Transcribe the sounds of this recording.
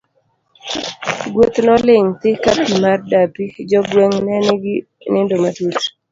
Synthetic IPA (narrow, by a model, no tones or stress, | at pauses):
ɡwot̪nɔlɪŋt̪ɪkapimardapid͡ʒɔɡweŋnɛnɡɪ | nɪndomatut